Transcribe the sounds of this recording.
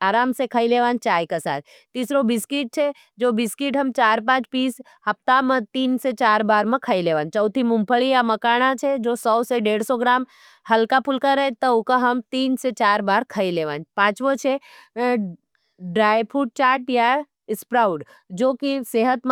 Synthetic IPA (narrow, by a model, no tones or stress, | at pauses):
aːɾaːmsekʰəileːʋãːnt͡ʃaːjkasa̰ːt̪ʰ | t̪ːiːsɾobɪskiʈ̚t͡ʃʰe | d͡ʒoːbɪskiʈɦəmt͡ʃaːɾp̬ãːt͡ʃpiːs | hɐp̚t̪amə̃t̪iːnset͡ʃaːɾbaːɾmə̃kʰəileːʋãːnt͡ʃəʊt̪ʰimʊ̃mpʰəɭijaməkaːɽ̃at͡ʃʰed͡ʒoːsɔwseɖeːɽsoɡɾaːm | hɐlkapʰulkaɾəet̪əʊkaɦəmt̪iːnset͡ʃaːɾbaːɾkʰəileʋãːnpãːt͡ʃʋõt͡ʃʰe | ɖɾaːjpʰuːʈ̚t͡ʃaːɾʈja | ɪspɾaːʊɖ | d͡ʒoːkiseːɦət̪m